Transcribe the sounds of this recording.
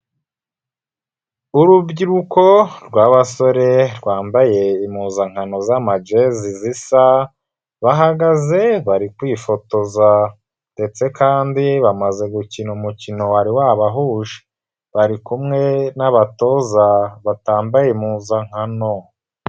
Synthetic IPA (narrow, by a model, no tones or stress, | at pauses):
uɾubɟiɾuko̞ɾɡwaːβaso̞ɾe̞ɾɡwaːmbaje̞imuːzaŋ̥hano̞zamad͡ʒezizisa | βaɦaɡaze̞βaɾikwiːfo̞to̞za | nde̞t͡se̞kaːndiβamaze̞ɡucinumucino̞waɾiwaβaɦuːʒe̥ | βaɾikumŋe̞naβato̞zaβataːmbajemuːzaŋ̥hano̞